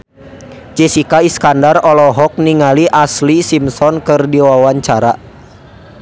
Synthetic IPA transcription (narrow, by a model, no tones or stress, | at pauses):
d͡ʒesikaiskandarɔlɔɦɔk̚niŋaliʔaslisimsɔnkɨrdiwawaɲt͡ʃaɾa